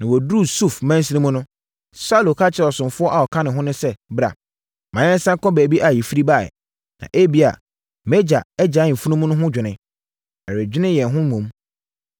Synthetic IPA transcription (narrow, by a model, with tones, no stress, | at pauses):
nã˨wɔ˨du˦˨su˦˨fmã˦n˦s̬i˦nĩ˦mʊ̃˦nʊ̃˦ | sa˦˨lo˨kʰa˦t͡ɕʰɪ˨ɾɔ˨sʊ̃˨mfʊ˦ɔ˦ʔa˨ɔ˨kʰã˦nɪ̃˨ɦʊ̃˦nʊ̃˦sɛ˦bɾa̰˨ | mã˨˦ɛ̃˦n̩˦sã˦ŋ˦kʰɔ̃˦bæː˨bi˦ʔa˨jɛ˨fi˦ɾi˦ba˦˨ɛ̰˨ | nã̰˨ʔe˦bi˦a̰˨ | mɛ˦d͡ʑa˨ɛ˦d͡ʑa˨˦˨m̩˨fu˦nũ˦mũ˦nʊ̃˦ɦʊ̃˦d͡ʑᶣɪ˨nɪ̃˨ | ɛ˨ɾɪ˨d͡ʑᶣɪ˦nɪ̃˦jɛ˨ɦʊ̃˦mũ˨m